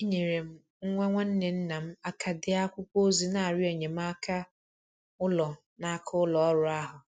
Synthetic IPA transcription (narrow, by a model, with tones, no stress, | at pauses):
i˦ɲe˨ɾe˨m̩˦ | ŋ̩˦ŋʷɛ˦ŋʷɛ˦n̩˦nɪ˨n̩˦nã˨m̩˦a˦kʰa˨dɪ˦a˦kʷʊ˦kʷo˦zi˨na˨a˨ɾɪ˦e˨ɲe˨m̩˦a˦kʰa˦ | ʊ˦lɔ˨ | na˨a˦˨kʰʊ˦ʊ˦lɔ˨ɔ˦ɾʊ˨a˦ɦʊ˨